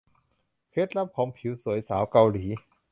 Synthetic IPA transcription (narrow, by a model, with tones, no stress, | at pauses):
kʰe˦˥t̪̚ɾa˦˥p̚kʰɔː˩˦ŋpʰi˩˦wsu˨˩˦əjsaː˩˦wka˧wliː˩˦